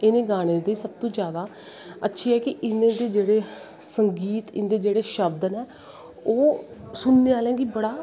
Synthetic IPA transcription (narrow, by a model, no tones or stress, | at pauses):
ɪnẽːɡaːɽ̃eːd̪eːsəb̚t̪õːd͡ʒjaːd̪aː | ətːʃʰiːɛːkɪʔɪnẽːd̪eːd͡ʒeːɽeː | səŋɡiːt̪ɪnːd̪eːd͡ʒeːɽeːʃəb̚d̪ənɛː | oːsʊnːeːaːlɛ̃ːɡibəɽaː